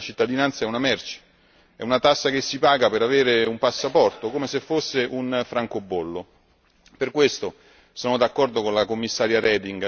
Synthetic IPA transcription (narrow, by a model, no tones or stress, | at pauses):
t͡ʃit̪ːad̪inant̪saɛunamɛrt͡ʃe̥ | ɛunat̪asːakesːipaːɡapeɾaveːɾeumpasːapɔrt̪okoːmesefːosːeʔunfɾaŋkobolːo | perkwest̪o | soːnod̪akːɔrd̪okonlakomːisːaːɾjaɾɛːd̪iŋɡ